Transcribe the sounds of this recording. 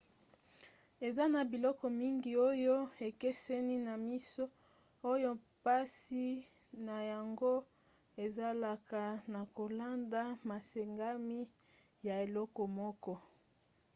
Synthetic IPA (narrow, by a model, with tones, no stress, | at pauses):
e˨za˦na˨bi˨lɔ˦kɔ˨mi˦ŋɡi˨o˦jo˦e˨ke˦sɛ˦ni˦na˨mi˦so˦ | o˦jo˦ | pa˦si˦ | na˨ja˨ŋɡo˦ | e˨za˦la˨ka˨na˨ko˨la˦nda˦ma˨se˨ŋɡa˦mi˦ | ja˨e˨lɔ˦kɔ˨mɔ˦kɔ˦